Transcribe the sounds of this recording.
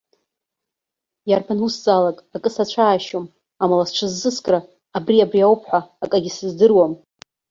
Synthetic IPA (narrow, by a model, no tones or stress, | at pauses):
jarpʰanusd͡zʼalakʼakʼɨsat͡ɕʷʰaːʃom | amalasʈ͡ʂʷʰɨzːɨskʼraː | briabriawpʰħʷaːkʼaɡʲisɨzdɨrwam